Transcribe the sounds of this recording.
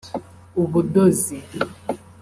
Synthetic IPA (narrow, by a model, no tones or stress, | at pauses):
uβudozi